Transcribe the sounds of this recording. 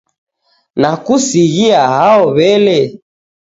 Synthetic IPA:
nakusiɣiaɦaɔβɛlɛ

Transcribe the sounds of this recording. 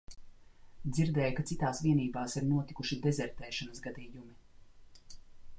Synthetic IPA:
d̪ziɾd̪ɛːjkat̪sit̪aːsviɛniːbaːsiɾnuɔt̪ikuʃid̪ɛzɛɾt̪ɛːʃɔnɐsɡad̪iːjumi

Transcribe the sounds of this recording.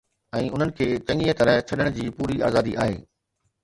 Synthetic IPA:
ɛ̃ːʊn̤ənɪ̆kʰeːt͡ɕɐ̃ŋiːət̪ɐɾət͡ɕʰɐɗəɽ̃d͡ʑiːpuːɾia̰ːzaːd̪iʔa̰ːɦḛː

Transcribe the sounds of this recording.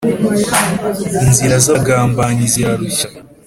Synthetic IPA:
inziɾazaɡaːmbaːɲizjaɾuçḁ

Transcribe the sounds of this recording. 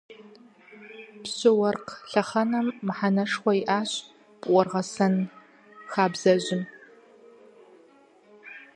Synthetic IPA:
pɕɪwɐrqɬɐχɐnɐmːħanɐʂχʷɔiʔaːɕ | pʼʔʷɔrʁɐsɐn | xaːbz̥ɐʑɪm

